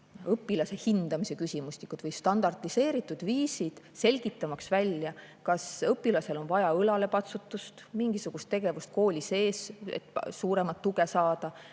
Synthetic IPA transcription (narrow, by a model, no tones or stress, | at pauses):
ɤpːˑilɑse̞hind̪̥ɑmise̞kysʲimusʲnikːˑud̪̥vɤjst̪ɑnd̪ɑrt̪ːˑise̞ːɾit̪ːˑud̪̥viːsid̪̥se̞lʲɡ̥it̪ːˑɑmɑksvælʲjɑkɑsɤpːˑilɑse̞lo̞nvɑjɑɤlɑle̞pɑt̪sut̪ːˑust̪miŋɡ̥isuɡ̥ust̪ːe̞ɡ̥e̞vust̪̚ko̞ːlʲise̞ːsḛt̪ːsuːɾe̞mɑt̪ːuɡe̞sɑːd̪̥ɑ